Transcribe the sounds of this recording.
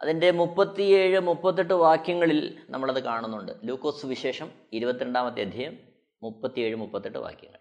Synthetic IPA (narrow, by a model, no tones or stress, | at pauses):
ɐ̰ðinde̞mupːɐt̪ːijeːɻɨmupːɐt̪̬ːiʈːɨʋaːkjɐŋːɐɭilnʔɐ̰mːɐɭɐðɨkaːɳunːuɳɖɨ̰luːkːo̞ːsʋiɕe̞ːʂɐm | iɾubɐt̪ːiɾeɳɖaːmɐt̪̬ːijɐd̪ʱjɐjɐmː | upːɐt̪ːije̞ːɻɨmupːɐt̪ːiʈːɨ̰ʋa̰ːkjɐ̰ŋːɐ̰ɭ